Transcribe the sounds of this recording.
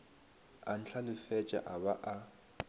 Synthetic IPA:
an̩ɬʰalɪfɛt͡ʃʼa̰ʔaβaʔa

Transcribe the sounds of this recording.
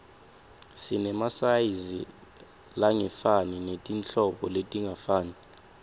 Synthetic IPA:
sinɛmasajizi | laŋɛfaninetʼint͡ɬɔɓɔletʼiŋafaːni

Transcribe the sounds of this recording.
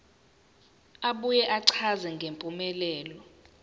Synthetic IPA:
aɓujɛʔaǀʰazɛŋɡʱempʼumɛlɛːlɔ

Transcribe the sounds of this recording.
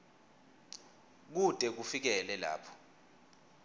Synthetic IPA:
k̬utʼɛk̬ufik̬ɛlɛla̰ːpʰɔ̥

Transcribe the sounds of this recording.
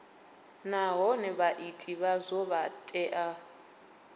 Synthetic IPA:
naɦɔnɛβaʔitʼiβazɔβatʼɛʔa

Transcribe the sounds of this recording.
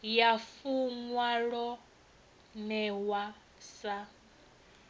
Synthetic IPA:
jafuŋwaɺɔ | nɛwa | sa

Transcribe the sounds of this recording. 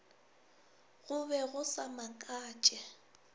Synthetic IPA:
ɣʊβɛɣʊsamakʼaːt͡ʃʼɛ

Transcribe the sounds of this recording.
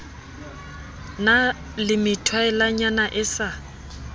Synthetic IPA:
na | lɪmɪtʰwaɛlaɲanaʔɪsa

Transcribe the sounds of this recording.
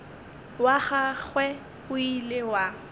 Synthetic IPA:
waχaɣwɛ | ʊilewa

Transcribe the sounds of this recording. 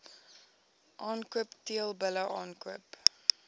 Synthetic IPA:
ʔɑːnkuəptiəlˠbələʔɑːnkuəp

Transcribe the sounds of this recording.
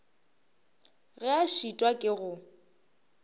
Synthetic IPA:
ɣɛaʃitʼwakʼɪɣʊ

